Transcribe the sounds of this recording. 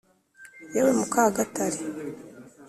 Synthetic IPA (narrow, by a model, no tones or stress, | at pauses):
jewemukaːɡataɾe